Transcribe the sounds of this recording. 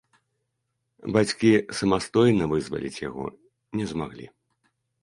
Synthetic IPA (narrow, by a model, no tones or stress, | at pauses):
bat͡sʲkʲisɐmast̪ɔjnɐvɨzvɐ̰lʲḭt͡sʲja̰ɣɔ̰ | nʲɛzmaɣlʲḭ